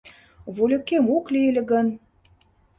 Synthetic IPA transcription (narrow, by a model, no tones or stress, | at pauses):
βulʲə̆kemuklielʲĕɣə̆n